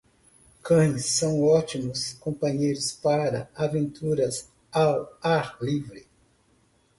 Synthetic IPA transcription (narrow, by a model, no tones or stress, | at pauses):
kɐ̃j̃sːɐ̃w̃ɔt͡ʃimʊskõpɐ̃ɲejɾʊspaɾɐ̰avẽnt̪uɾɐs | awaɾlivɾɪ